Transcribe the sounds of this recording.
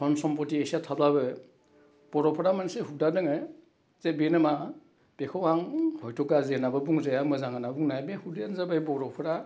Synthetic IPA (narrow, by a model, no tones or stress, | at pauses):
pʰɔnsɔmpɔtiesiatʰababɯ | b̥ɔɾɔpʰɔɾamanseɦudadɯŋɯ | zebenɯma | b̥ekʰɯwaŋhɔjtʰɔkazenabɯbuŋzajamɯzaŋanabuŋnajbehudenzabajbɔɾɔpʰɯɾa